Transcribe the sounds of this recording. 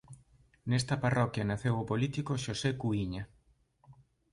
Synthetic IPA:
nɛst̪ɐparɔkjɐnaθewopolit̪ikoʃosekuiɲɐ

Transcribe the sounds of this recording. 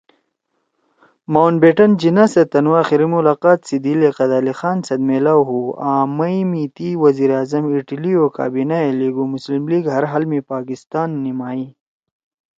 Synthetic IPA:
mawnbeʈɐnd͡ʑinaset̪ɐnwaːxiɾimulaːqaːt̪sid̪ileqɐd̪aːlixaːnsɐd̪̚melaːwɦuːãːmɐimit̪iwɐziːɾaːzɐmiʈɐlioka̰ːbinaeliɡumuslimliːɡɦɐɾɦaːlmepaːkist̪aːnːimaːi

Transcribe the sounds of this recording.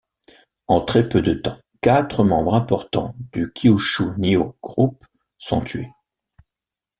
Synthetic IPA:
ɑ̃t̪χɛpød̪ət̪ɑ̃ | kat̪χəmɑ̃bʁɛ̃pɔʁt̪ɑ̰̃d̪̥ykʲʰiuʃunioɡ̥ʁup | sɔ̰̃t̪ɥe

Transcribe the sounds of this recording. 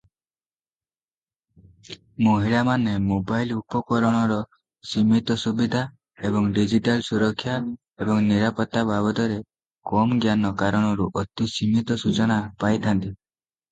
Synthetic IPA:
moɦiɭamanemobajlupɔkɔɾɔɽ̃ɔɾɔ | simit̪ɔsubid̪ʱa | ebɔŋɖid͡ʒiʈalsuɾɔkʰːja | ebɔŋniɾapɔt̪ːabʱabɔd̪ɔɾe | kɔmɡjanɔkaɾɔɽ̃ɔɾuʔɔt̪isimit̪ɔsut͡ʃɔɽ̃apajt̪ʰant̪i

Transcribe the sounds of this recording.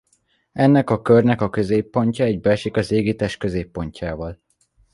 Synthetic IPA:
ɛnːɛkɒkørnɛkɒkøzeːpːo̞ɲcɒɛɟbɛlʃikɒzeːɡit̪ɛʃkø̞zeːpːo̞ɲcʰaːvɒl

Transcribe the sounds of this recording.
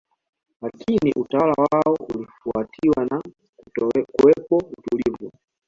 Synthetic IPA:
lakʰiniʔutawalawaaɔulifuatʰiwana | kuwɛpɔutulivu

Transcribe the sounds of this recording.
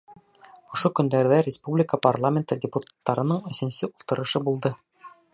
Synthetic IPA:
ŏʃokɵ̆nd̪æɾðæɾʲɪspublʲɪkəparlˠamʲent̪ɤdʲɪput̪ḁt̪ːɑɾɤ̆nɤɴɵ̆sɵ̆nsɘʔulˠt̪ɤ̆ɾɤ̆ʃɤbulˠd̪ɤ

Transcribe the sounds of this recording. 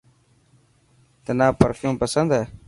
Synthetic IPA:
t̪ənaːpəɾfʰjũːmpəsənd̪ɦɛː

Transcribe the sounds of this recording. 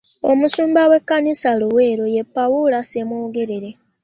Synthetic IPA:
o̞̰musuːmbawe̞kːanisaluwe̞ːɾo̞je̞pːawulasemwoːɡe̞ɾeɾe̞

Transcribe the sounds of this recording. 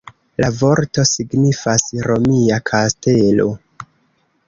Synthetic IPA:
lavo̞ɾto̞siɡnifasɾo̞miakʰaste̞lo̞̰

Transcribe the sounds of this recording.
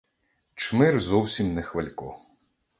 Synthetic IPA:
t͡ʃmɪrzɔwsʲimnɛxʋɪlʲkɔ̰

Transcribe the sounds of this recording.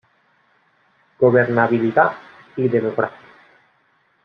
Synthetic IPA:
ɡ̥oβeɾnaβilit̪a | iðemokɾasi

